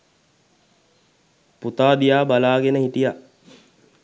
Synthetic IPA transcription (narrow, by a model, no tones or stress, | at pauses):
put̪aːd̪ijaːbalaːɡenəhiʈija